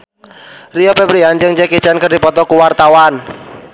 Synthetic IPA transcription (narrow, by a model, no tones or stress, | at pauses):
riɔpɛbɾiand͡ʒəŋd͡ʒɛkit͡ʃankərdipɔt̪ɔkuwart̪awan